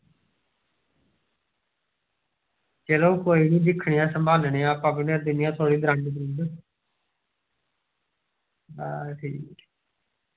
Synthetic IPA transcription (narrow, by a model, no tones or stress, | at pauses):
t͡ʃeːloːkoːiːnĩːd̪ɪkʰːɳiːãːsəmbʱaːlɳeːãːpaːbneɾd̪ɪnɪjãːt̪ʰoːɽiːd̪ɾə̃ɳɖbɾiːd̪ | aʈʰiːk